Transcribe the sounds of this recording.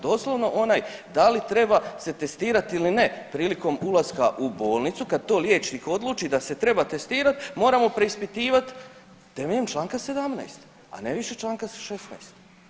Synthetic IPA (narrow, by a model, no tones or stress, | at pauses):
d̪o̞ːslˠoʋno̞ʔo̞naːjd̪alit̪ɾe̞base̞t̪e̞st̪iːɾat̪iline̞pɾiːliko̞mulˠaskaʔubo̞ːlˠnit̪sukad̪̚t̪o̞ːlje̞ːt͡ʃniko̞d̪luːt͡ʃid̪ase̞t̪ɾe̞bat̪e̞st̪iːɾat̪mo̞ːɾamo̞pɾe̞ispit̪iːʋat̪ | t̪eʋɲemt͡ʃlˠaːŋkase̞d̪amna̰jst̪ | a̰neʋiʃe̞t͡ʃlˠaːŋkaʃesnajst̪